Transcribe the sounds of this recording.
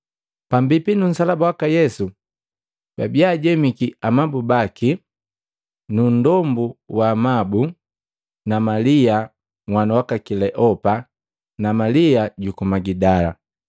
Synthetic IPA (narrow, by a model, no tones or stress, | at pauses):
pambipinun̩salabawakajɛsu | babiaːɟɛmikiamabubaki | nundɔmbuwaːmabu | namalia | ŋwanawakakilɛʔɔpa | namaliaɟukumaɡidala̰